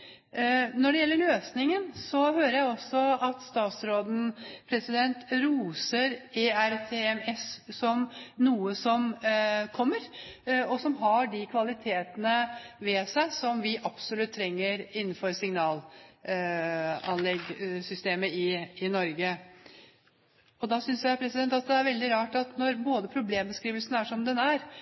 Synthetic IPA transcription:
nɔɖɛjɛlːəɾɭøːsnɪŋənsɔhøːɾəjæɪɔsɔɑt̪st̪ɑːt̪sɾoːd̪n̩pʰɾɛsɪd̪ɛnt̪ɾuːsəɾeːæɾt̪ʰeɛmɛssɔmnuːəsɔmkʰɔmːəɾɔsɔmɦɑɖɪkʰʋɑlɪt̪ʰeːt̪ənəʋɛsæɪsɔmʋɪʔɑpsɔlʉt̪ʰːɾɛŋːəɾɪnːn̩fɔɾsɪŋnɑːl | ɑ̰nlɛɡsʏst̪eːməɪɪnɔɾɡə | ɔd̪ɑsʏnsjæɪpʰɾɛsɪd̪ɛnt̪ɑt̪̚d̪ɛæɾʋɛld̪ɪɾɑːʈɑt̪nɔɾboːd̪əpʰɾʊbleːmbəskɾiːʋəlsənəæʂɔmd̪ɛnæɾ

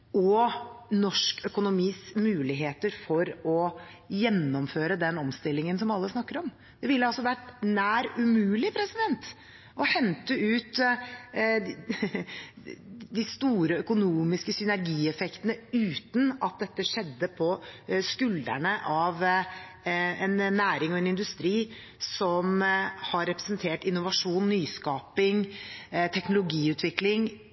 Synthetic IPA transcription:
ɔnɔʂkœkʊnʊmiːsmʉːlɪɦeːt̪əɾfɔɾɔ | jɛnːɔmføːɾəd̪ɛnɔmst̪ɪlːɪŋənsɔmɑlːəsnɑkːəɾɔm | d̪̥ɛʋɪlːəɑlsɔʋæʈnæːɾʉmʉːlɪpʰɾɛsɪd̪ɛnt̪ | ʔɔhɛnt̪əʉːt̪ | d̪ɪst̪uːɾəœkʊnuːmɪskəsʏnæɾɡiːɛfɛkt̪ənəʉːt̪n̩ɑt̪̚d̪ɛt̪ːəʂɛd̪ːəpʰɔskʉld̪æ̰ɳəʔɑʋ | ɛnnːæːɾɪŋɔɛnɪnd̪ʉst̪ɾiː | sɔmhɑɾɛpɾə̥snt̪ʰeːʈɪnːʊʋɑʂuːnːyːskɑːpɪŋt̪ʰɛknʊlʊɡiːʉːt̪ʰʋɪklɪŋ

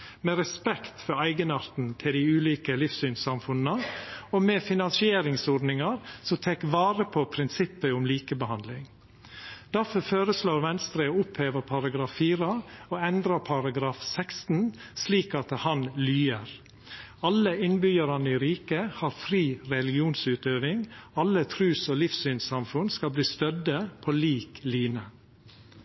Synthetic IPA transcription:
meːɾɛspɛkt̪fɔɾæɪɡənɑɾt̪n̩t̪ʰɪld̪ɪʉːliːkəlɪfsyːnsɑmfʉnn̩əoːmeːfɪnɑnsɪeːɾɪŋsɔɖnɪŋɑɾsɔt̪ʰɛkʋɑːɾəpʰopʰɾɪnsɪpːəʊmliːkəbəhɑnd̪lɪŋ | d̪̥æɾfɔɾføːɾəsloːɾʋɛnst̪ɾəʊpʰheːʋəɾpʰɑɾɑɡɾɑːfːiːɾəoːɛnd̪ɾəpʰɑɾɑɡɾɑːfsɛkst̪n̩sliːkɑt̪hɑnlyːəɾ | ɑləɪnbʏjəɾɑnəiːɾiːkəhɑːɾfɾiːɾɛlɪɡɪuːnsʉːt̪øːʋɪŋɑlət̪ʰɾʉːsoːlɪfsyːnsɑmfʉnskɑlbliːst̪œd̪əpʰoːliːkliːnə

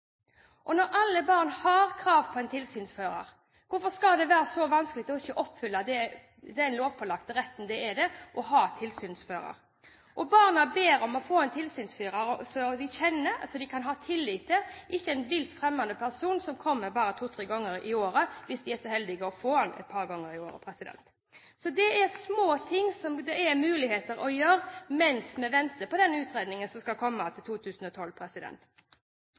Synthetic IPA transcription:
ʔɔnɔɾʔɑlːəbɑːʁnhɑɾkʰɾɑːʋpʰɔɛnt̪ʰɪlsyːnsføːɾɑ̰ɾ | ʋʊɾfɔskɑd̪ɛʋæːɾəsɔʋɑnsklɪkt̪ɔɪçːəʔɔpːfʏlːɑd̪ɛ | d̪ɛææɪnloːʋpʰɔlɑkt̪ɾɛt̪ːn̩d̪ɛɛd̪ɛʔɔɦɑːt̪ʰɪlsyːnsføːɾɑ̰ɾ | ʔɔbɑːʁnɑbeːɾɔmɔfoːɛnt̪ʰɪlsyːnsfyːɾɑɾsɔd̪ɪçɛnːəɾ̰sɔd̪ɪkʰɑnɦɑːt̪ʰɪlːɪːt̪̚d̪ɛʔɪçːəɛnʋɪlt̪fɾɛmːɑnd̪əpʰæʁsuːnsɔmkʰɔmːəɾbɑːɾət̪ʰuːt̪ʰɾeːɡɔŋːəɾɪ̰oːɾəʋɪsd̪ɪæʂɔhɛld̪ɪɡəɔfoːɛnɛ̰t̪̚pʰɑːɾɡɔŋːəɾɪoːɾə̰pʰɾɛsɪd̪ɛ̰nt̪ | sɔd̪ɛæɾsmoːt̪ʰɪŋːsɔmd̪ɛɛɾmʉːlɪheːt̪əɾɔjøːɾmɛnsmɛʋɛnt̪əpɔd̪ɛnʉːt̪ɾeːd̪nɪŋənsɔmskɑlkʰɔmːɑt̪ʰɪlt̪ʰuːt̪ʰʉːsn̩ɔt̪ʰɔlpʰɾɛsɪd̪ɛ̰nt̪

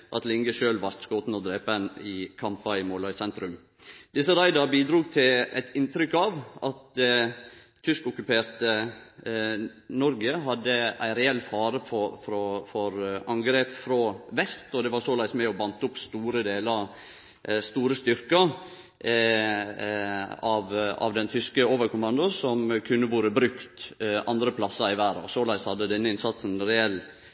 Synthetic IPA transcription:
ʔɑt̪lɪŋɡəʃøːlʋɑɾt̪skɔːt̪n̩ɔd̪ɾeːpənɪkʰɑmpɑɪmoːlɑʏsɛnt̪ɾʉm | d̪̥ɪsəɾæɪd̪ɑɾbiːd̪ɾuːɡ̚t̪ʰɪlæ̰ɪt̪ɪnt̪ɾʏkːɑʋʔɑt̪ | ʏskʊkʉpeːɾt̪ə | nɔɾɡəɦɑd̪ːəæ̰ɪɾɛɛlːfɑːɾəfɔfɾɔfɔɾɑŋɡɾeːpfɾɑːʋɛst̪ɔd̪ɛʋɑsoːlæɪsmæɪɔbɑnt̪əʊpst̪uːɾəd̪eːləɑ | st̪uːɾəst̪ʏɾkə | ɑʋɑ̰ʋd̪ɛnt̪ʰʏskəoːʋəɾkʊmɑnd̪ʊsɔmkʰʉnːəʋuːɾəbɾʉkt̪ʔɑnd̪ɾəpʰlɑsːəɾɪʋæːɾɑ̰soːlæɪshɑd̪ːəd̪ɛnːəɪnsɑt̪sn̩ɾɛɛl

